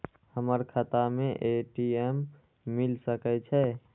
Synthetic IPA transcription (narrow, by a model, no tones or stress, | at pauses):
həməɾkʰət̪ameʔeʈiemː | ilsəkɛt͡ʃʰɛ